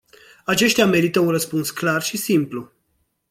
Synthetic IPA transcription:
at͡ʃe̞ʃt̪eame̞ɾit̪əunrəspunsklarʃisimplu

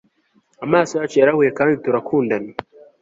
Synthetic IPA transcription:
amaːsojaːt͡ʃojaɾahujekaːndituɾakʰuːndana

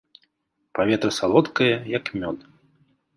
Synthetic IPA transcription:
pavʲɛt̪ɾɐsalˠɔt̪kɐjɐjɐkmʲɔd̪

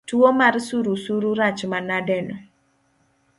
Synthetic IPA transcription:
tuomarsuɾusuɾuɾat͡ʃmanadɛnɔ

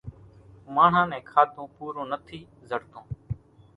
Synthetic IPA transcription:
maːɳ̤ãːnɛ̃ːkʰaːt̪õːpuːɾõːnət̪ʰiː | zəɽt̪õː

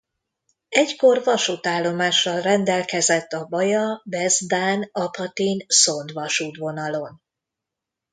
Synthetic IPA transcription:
ɛcko̞rvɒʃuːt̪aːlːo̞maːʃːɒlrɛnd̪ɛlkɛzɛt̪ːɒbɒjɒbɛzd̪aːnɒpɒt̪inso̞nd̪ʋɒʃuːt̪ʋo̞nɒlo̞n

